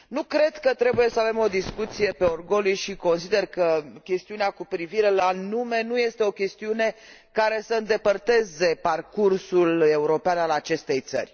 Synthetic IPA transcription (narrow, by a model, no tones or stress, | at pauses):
nukɾe̞d̪kət̪ɾe̞buje̞səave̞mo̞d̪iskut̪sije̞pe̞orɡo̞liʃiko̞nsid̪e̞rkəkʲe̞st̪iuneakupɾiviɾe̞lanume̞nuje̞st̪e̞okʲe̞st̪iune̞ | kaɾe̞səɨnd̪e̞pərt̪e̞ze̞parkursule̞uɾo̞peanalat͡ʃe̞st̪e̞jt̪sə̰rʲ